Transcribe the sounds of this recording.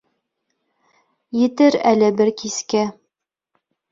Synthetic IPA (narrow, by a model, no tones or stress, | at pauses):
jɘ̆t̪ɘɾælɘbɘɾkiskæ